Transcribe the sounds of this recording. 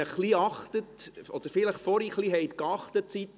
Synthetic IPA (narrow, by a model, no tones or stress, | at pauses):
əχliɑχt̪ətɔd̥̪əɾfɪləχfɔɾiχliɦɛɪt̪kɑχt̪ətsit